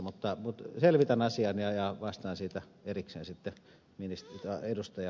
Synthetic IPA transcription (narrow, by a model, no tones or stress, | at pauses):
mut̪ːɑmut̪selʋit̪ænɑsiɑnjɑjɑʋɑst̪ɑːnsiːt̪æ | eriksḛːnsit̪ːe | minist̪t̪ɑedust̪ɑjɑ